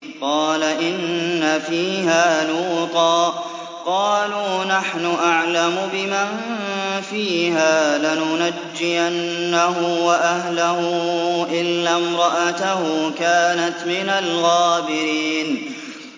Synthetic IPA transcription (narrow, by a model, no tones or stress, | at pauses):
qɑːlaʔɪnːafiːhaːluːt̪ˤɑːʔ | qɑːluːnaħnʊʔaʕlamʊbɪmanfiːhaːlanʊnad͡ʒːɪjanːaɦʊwaʔaɦlahʊʔɪlːamɾˤɑʔat̪ahʊkaːnat̪mɪnalɣaːbɪɾiːn